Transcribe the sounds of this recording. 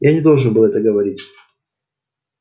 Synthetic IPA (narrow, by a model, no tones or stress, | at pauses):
janʲɪd̪o̞lˠʐɨnbɨlˠɛt̪əɡəvɐɾʲitʲ